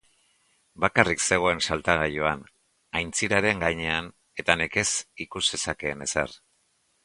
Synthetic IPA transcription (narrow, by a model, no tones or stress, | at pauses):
bakarikse̞ɣ̞o̞e̞nsalt̪aɣ̞ajo̞an | ajnt͡siɾaɾe̞ŋɡajɲe̞an | e̞t̪aneke̞sikuzde̞sake̞ːne̞sa̰r